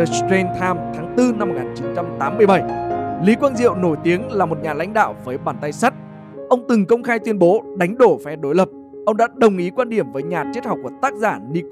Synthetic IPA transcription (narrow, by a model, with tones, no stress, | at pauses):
t̪e˧nt̪ʰaː˧mt̪ʰaː˨˦ŋt̪ɨ˧na˧mːo˨˩ŋaː˨˩nt͡ɕi˨˦nt͡ɕa˧mt̪aː˨˦mːɨ˧əjɓə˧˩jli˨˦kwaː˧nzḭ˧˨əwno˧˩jt̪i˨˦əŋlaː˨˩mo˨˩t̚ɲaː˨˩la̰˧˥jŋ̟ɗa̰ː˧˨wvəː˨˦jɓaː˧˩nt̪a˧jsa˦˥t̚ | ʔə˧wŋ͡mt̪ɨ˨˩ŋkə˧wŋ͡mxaː˧jt̪wi˧ənɓo˨˦ɗa˨˦ŋ̟ɗo˧˩fɛ˨˦ɗo˨˦jlə˨˩p̚ | ʔə˧wŋ͡mɗa̰ː˧˥ɗə˨˩wŋ͡mʔi˨˦kwaː˧nɗi˧˩əmvəː˨˦jɲaː˨˩t͡ɕe˦˥t̚ha˨˩wk͡p̚ku˧˩ət̪aː˦˥k̚zaː˧˩ni˧